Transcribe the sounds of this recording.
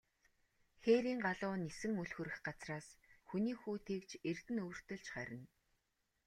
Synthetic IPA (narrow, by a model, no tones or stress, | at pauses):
xeːɾiːŋɢaɮʊːnesɘ̆ŋɵɮxɵ̆ɾɘ̆xɢat͡sraːsxuniːxuːt̪ʰekt͡ɕert̪ɘ̆nɵwr̥t̪ɵ̆ɮt͡ɕχæ̰ɾʲɪ̆n